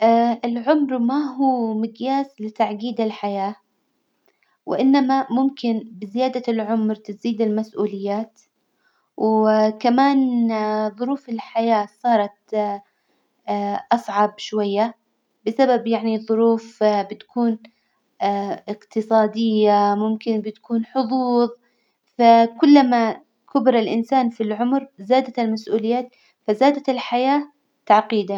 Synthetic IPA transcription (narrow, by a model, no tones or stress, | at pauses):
ʔaʔɪlʕʊmɾmaɦuːmɪɡjaːslɪt̪aʕɡiːd̪ɪlħajaː | wɪ̰ʔɪnːamamʊmkɪnbɪzɪjaːd̪alʕʊmɾt̪ɪziːd̪ɪlmasʔuːlɪjːaːt̪ | wkamaːnðˤʊɾuːfɪlħajaːsˤɑːɾˤɑt̪ | ʔɑsˤʕɑbʃwajːa | bɪsababjaʕniðˤʊɾuːfbɪt̪ḁkuːn | ʔɪqt̪ɨsˤɑːd̪ɪjːamʊmkɪnbɪt̪kuːnħʊðˤuːðˤ | fakʊlːama | kʊbɪɾalʔɪnsaːnfilʕʊmɾzaːd̪aɪlmasʔuːlɪjːaːt̪ | fazaːd̪at̪ɪlħajaː | t̪aʕqiːd̪a